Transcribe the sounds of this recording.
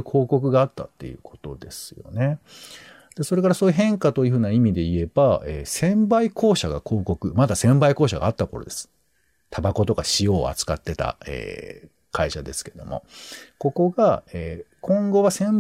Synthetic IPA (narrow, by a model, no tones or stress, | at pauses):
ɯkʰo̞ːko̞kɯ̟ɡaːt̪ːat̪ːe̞̰jɯ̟̰ːkʰo̞̥t̪o̞d̪e̞sɨ̥jo̰ne̞ | d̪̥e̞soɾe̞kaɾasoːjɯ̟ɦẽ̞ŋkat̪ojiɯ̟ɸɯ̟ːnaimʲid̪e̞ie̞baeːsẽ̞mbaiko̞ːɕaɡa̰kʰo̞ːko̞kɯ̟mad̪asẽ̞mbaikoːɕaɡa̰ːt̪ːako̞ɾo̞̰d̪e̞sɨ̥ | t̪ʰabako̞t̪o̞kaɕijo̞ːa̰t͡sɨ̥kat̪ːe̞t̪a̰ḛː | kʰaiɕad̪e̞sɨ̥ke̞ɾed̪o̰mo̞̰ko̞ko̞ɡaeːkʰõ̞ŋɡo̞βasẽ̞m